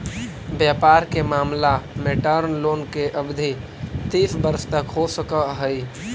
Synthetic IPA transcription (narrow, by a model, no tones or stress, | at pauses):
bjəpaːɾkemaːmlameʈəɾnloːnkeʔəbd̪ʱi | t̪iːfbəɾst̪əkɦosəkəɦəi